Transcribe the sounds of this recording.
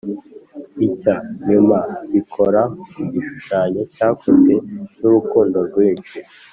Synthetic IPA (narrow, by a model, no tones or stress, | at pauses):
icaɲumaβikʰo̞ɾauɟiʃu̥ʃaːɲo̞caːkʰuze̞nuɾukuːndo̞ɾɡwiːnʃi